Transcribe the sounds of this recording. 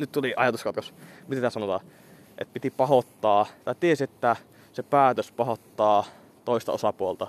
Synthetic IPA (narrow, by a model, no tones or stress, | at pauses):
nyt̪t̪uliʔɑjɑt̪uskɑt̪kosmit̪et̪t̪æsɑnot̪ɑ̰ː | ʔḛt̪pit̪ipɑhot̪ːɑːt̪ɑˑit̪iesiet̪ːæ | sepæːt̪øspɑhot̪ːɑː | t̪oˑist̪ɑ̰osɑpuolt̪ɑ